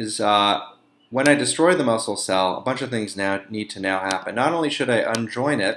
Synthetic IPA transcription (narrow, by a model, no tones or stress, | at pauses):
ɪzʌ | wə̃naɪdɨstɹ̥ɔɪðəmʌsl̩ˠsɛlˠə̰bʌ̃nt͡ʃʌv̥θɪ̃ŋznaʊnid̚tʰɨnaʊhæpɨ̃nːəɾõʊ̃nliʃɨɾaɪʔə̃nd͡ʒɔ̃ɪ̃nɪt̚